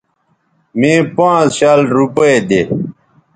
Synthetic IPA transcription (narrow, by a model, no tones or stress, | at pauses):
mĩːpãːt͡sɕaːlɾupəed̪e